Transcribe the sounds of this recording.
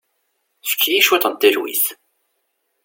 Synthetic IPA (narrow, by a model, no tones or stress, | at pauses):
θfə̥kːijiʃwæt̪ˤənt̪ːiɾwḭθ